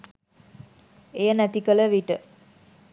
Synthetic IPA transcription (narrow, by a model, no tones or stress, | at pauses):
ejənæt̪ikələʋiʈə